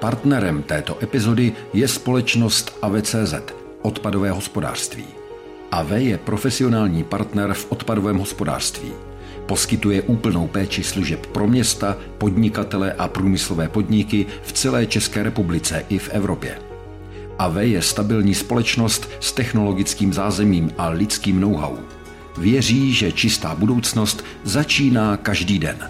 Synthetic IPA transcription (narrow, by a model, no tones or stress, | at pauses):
paɾt̪nɛɾɛmt̪ɛːt̪o̞ʔɛpɪzo̞dɪjɛspo̞lɛt͡ʃno̞st̪ʔavɛːt͡sɛːzɛ̰t̪ | ʔo̞t̪padovɛːɦo̞spo̞da̰ːr̥st̪vḭː | ʔavɛjɛpɾʔo̞fɛsɪo̞naːlɲiːpaɾt̪nɛɾfʔot̪padovɛːmɦo̞spo̞da̰ːr̥st̪vḭː | po̞skɪt̪ujɛʔuːpl̩no̞wpɛːt͡ʃɪsluʒɛppɾo̞mɲɛst̪a | po̞dɲɪkat̪ɛlɛʔapɾuːmɪslo̞vɛːpo̞dɲɪkɪ | ft͡sɛlɛːt͡ʃɛskɛːɾɛpublɪt͡sɛʔɪfʔɛvɾo̞pjɛ̰ | ʔavɛjɛst̪abɪlɲiːspo̞lɛt͡ʃno̞st̪st̪ɛxno̞lo̞ɡɪt͡skiːmzaːzɛmiːmʔalɪt͡skiːmno̞wɦa̰wṵ | vjɛr̝iːʒɛt͡ʃɪst̪aːbudo̞wt͡sno̞st̪ | zat͡ʃiːnaːkaʒdiːdɛ̰n